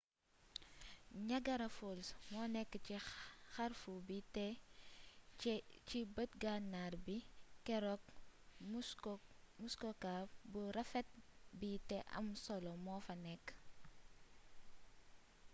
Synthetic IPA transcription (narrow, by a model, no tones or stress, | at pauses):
ɲɐɡɐɾɐfolsmɔːnɛkːət͡ʃixɐrfubitɛ | cibət̚ɡanːaːrbikɛɾɔk̚ | muskɔkabuɾɐfɛt̚bitɛʔɐ̰msɔlɔmɔːfɐnɛkː